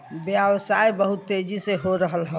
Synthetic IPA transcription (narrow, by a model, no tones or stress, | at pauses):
bjaʋsajbəɦʊt̪ːed͡ʒiseɦoɾəɦəlɦɛ̃